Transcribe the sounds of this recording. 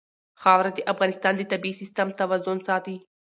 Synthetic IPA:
xaːʋɾɐt̪iʔɐfɣaːnist̪aːnd̪it̪ɐbiːsist̪ɐmt̪ɐʋɐzːonsaːt̪i

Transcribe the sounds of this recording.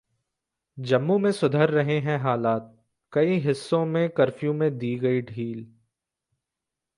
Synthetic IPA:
d͡ʒɐmːũmẽsʊd̪ʱəɾːɐɦeɦɛ̃ɦaːlaːt̪̚ | kɐiɦɪsːõmẽkɐɾfjũmẽd̪iːɡɐiɖʱiːl

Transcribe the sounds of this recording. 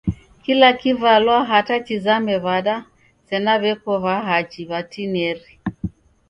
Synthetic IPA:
kilakivalwaɦatat͡ʃizamɛβaɗa | sɛnaβɛkɔβaɦat͡ʃiβatinɛɾi

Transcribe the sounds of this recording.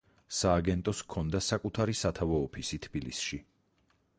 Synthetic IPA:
saːɡɛnt̪ʼɔskʰɔnd̪asakʼut̪ʰaɾisat̪ʰavɔːpʰisit̪ʰb̥ilḭsʃi

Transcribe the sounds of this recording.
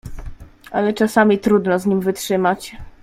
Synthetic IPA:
ʔa̰lɛt͡ʂasamʲit̪ɾud̪nɔzɲimvɘtʂɘmat͡ɕ

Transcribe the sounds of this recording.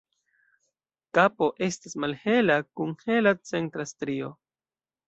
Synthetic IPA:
kapo̞ʔe̞stismalhe̞lakuŋhe̞lat͡se̞ntɾastɾio̞

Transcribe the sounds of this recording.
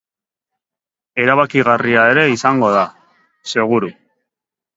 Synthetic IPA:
e̞ɾaβakiɣariae̞ɾe̞isaŋɡo̞ða | se̞ɣ̞uɾu

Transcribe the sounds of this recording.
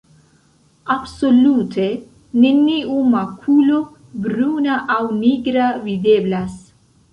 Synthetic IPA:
absoluːt̪ʰe | ninːiumakʰuːlu | bɾuːnaʔawniːɡɾavid̪eːblas

